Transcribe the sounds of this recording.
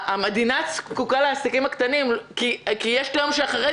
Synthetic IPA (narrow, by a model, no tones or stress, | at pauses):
amed̪inat͡skukaleasikimakt̪animkikijeʃtomʃeaχaʁe